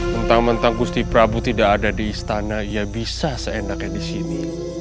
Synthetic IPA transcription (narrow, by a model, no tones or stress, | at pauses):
mənt̪aŋmənt̪aŋɡust̪ipɾabut̪idakadadiːst̪anaijabisasəenakjadisini